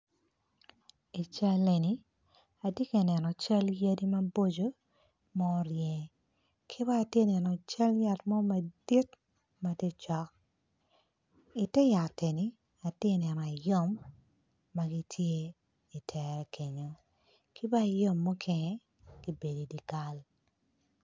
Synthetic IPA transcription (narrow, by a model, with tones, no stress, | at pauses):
i˨t͡ʃa˦le˨ni˦ | a˨di˦ke˨nɛ˨nɔ˨t͡ʃa˦lja˦di˦ma˦bo˦d͡ʒo˦ | mɔ˦ɾjɛ˨ | kʰi˦baː˦˨tje˦nɛ˨nɔ˨t͡ʃa˦lja˨tmɔ˦ma˨di˦t | ma˨te˦t͡ʃɔ˨˦k̚ | i˨tɛ˦ja˨te˨ni˨˦ | a˨tje˦nɛ˨nɔ˨a˨jo˦˨mː | a˨ɡi˦tʰje˦ | i˨tʰɛ˨ɾɛ˨kʰe˨ɲo˨ | ki˦ba˦˨jo˦mːo˦kʰɛ˦ŋɛ˦ | ɡ̥i˦be˨di˨di˨ka˦l